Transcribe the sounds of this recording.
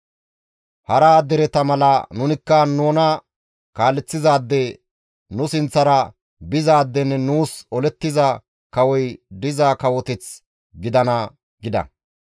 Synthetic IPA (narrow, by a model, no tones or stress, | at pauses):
hɐɾaːd̪ɛɾɛt̪ɐmɐlɐnʊnɪkːɐnoːnɐ | kaːlːɛt͡sːɪzaːd̪ːɛ | nʊsɪnt͡sːɐɾɐ | bɪzaːd̪ːɛnːɛnuːsɔlɛt̪ːɪzɐ | kɐwɔjd̪ɪzaːkɐwɔt̪ɛt͡s | ɡɪd̪ɐnɐ | ɡɪd̪ɐ̰